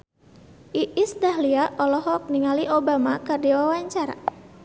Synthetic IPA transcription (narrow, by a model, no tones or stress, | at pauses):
ʔiʔisdaɦliaʔɔlɔɦɔk̚niŋaliʔobamakardiwawaɲt͡ʃara